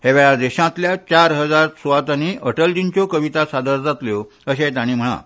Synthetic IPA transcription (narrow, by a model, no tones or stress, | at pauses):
heʋɛɭad̪eɕãt̪ljat͡ɕaɾɦəd͡zaɾsoʋat̪añiʔəʈəld͡ʑint͡ɕokəʋit̪asad̪əɾd͡zat̪ljo | əɕẽt̪aɽ̃iːm̤əɭ̃ã̰